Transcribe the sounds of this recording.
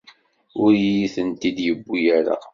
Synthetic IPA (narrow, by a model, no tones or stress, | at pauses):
ʊɾjiθənt̪id̪jəbːujaɾa̰